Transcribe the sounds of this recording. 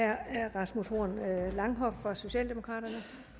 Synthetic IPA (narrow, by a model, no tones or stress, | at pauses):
æɐ̰æʁɑ̈smusho̝ɐ̰nlɑ̈ŋɦɒ̽ffɒso̝ɕɛ̰ːld̥e̝mo̝kʰʁɑ̰̈ːd̥ɐnə